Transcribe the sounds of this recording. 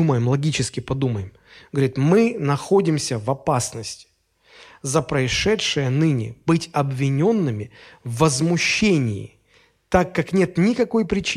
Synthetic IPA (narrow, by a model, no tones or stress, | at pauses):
uməjɪmlˠɐɡʲit͡ɕɪskʲɪpɐd̪uməjɪm | ɡ̥əvəɾʲit̪mɨnɐxo̞dʲɪmsʲəvɐpasnəsʲtʲ | zəpɾəɪʂɛt̪ʂɨjənɨnʲɪ̰b̥ɨtʲɐbvʲɪnʲo̞nːɨmʲɪvːəzmʊɕːenʲɪ̰ɪ̰ | t̪akːaknʲe̞t̪nʲɪkɐko̞jpɾʲɪt͡ɕ